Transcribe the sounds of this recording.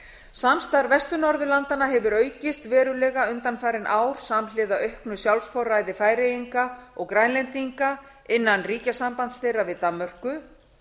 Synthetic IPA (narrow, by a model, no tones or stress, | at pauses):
samst̪aɾvɛst̪ʏnɔɾðʏlant̪anaɦɛvʏɾœːɥcɪst̪vɛːɾʏlɛːɣaʏnt̪anfaːɾɪnʔaːwɾ̥samlɪːðaœhknʏsjawlsfɔwɾraːjðɪfaːjɾejiŋkaɔɣkɾajnlɛnt̪iŋka | ɪnːanriːcasampant̪sθejravɪðt̪amːœr̥kʏ